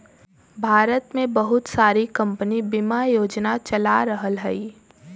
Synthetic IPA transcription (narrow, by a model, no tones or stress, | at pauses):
bʱaːɾət̪mẽbɐɦʊt̪saːɾikɐ̃mpənibɪmajoːd͡ʒnat͡ʃɐlaɾəɦəlɦɛi